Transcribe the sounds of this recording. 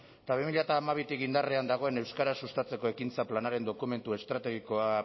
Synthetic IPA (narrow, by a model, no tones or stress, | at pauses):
t̪aβ̞imiʎat̪aːmaβ̞it̪ikind̪areand̪aɣ̞o̞e̞ne̞wskaɾasust̪at͡se̞ko̞e̞kint͡saplanaɾe̞nd̪o̞kume̞nt̪ue̞st̪ɾat̪e̞ɣ̞iko̞a